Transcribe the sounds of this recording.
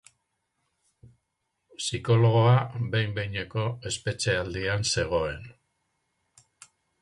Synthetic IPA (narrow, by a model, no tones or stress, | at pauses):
siko̞lo̞ɣ̞o̞abe̞jmbejɲeko̞e̞spe̞t͡ʃe̞ald̪ianse̞ɣ̞o̞e̞n